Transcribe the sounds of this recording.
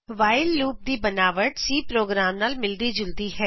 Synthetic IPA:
ʋaːɪlːuːp̚d̪iːbənaːʋəʈsiːpɾoːɡɾaːmnaːlmɪld̪iːd͡ʒʊld̪ihɛː

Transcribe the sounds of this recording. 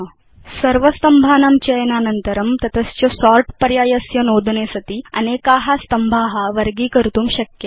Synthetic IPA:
sɐɾʋəst̪ɐmbʱaːnamt͡ɕɐjənanənt̪əɾɐmt̪ɐt̪ʰəst͡ɕosɔɾʈpəɾjaːjɐsjɐnod̪ʱnesɐt̪iːɐ̰nekaɦast̪ɐmbʱaɦaʋəɾɡiːkəɾt̪uːmɕɐkje

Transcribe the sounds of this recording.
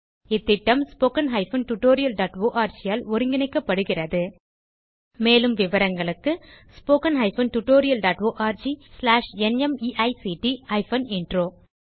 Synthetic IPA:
ɪt̪ːɪʈːɐmspoːkɐnɦɐɪfɐnʈʊʈːoːɾɪjɐlɖaːʈʋoːʔaːɾd͡ʒɪjaːlɔɾɯŋɡɪnɛɪkːɐpːɐɽɯɣɪrɐðɯ | meːlɯmʋɪʋɐɾɐŋɡɐɭɯkːɯspoːkɐnɦɐɪfɐnʈʊʈːoːɾɪjɐlɖaːʈʋoːʔaːɾd͡ʒislaːʂɛnɛmiːʔɐɪsiʈiɐɪfɐnɛɳɖroː

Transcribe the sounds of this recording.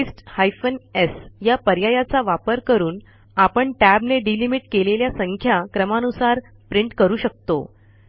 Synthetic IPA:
isʈhajfənesjapəɾjajat͡saʋapəɾkəɾuːn | apəɳʈæbneɖilimiʈkeleljasəŋkʰjakɾəmanusaɾ | pɾiɳʈkəɾuːɕək̚t̪o̰

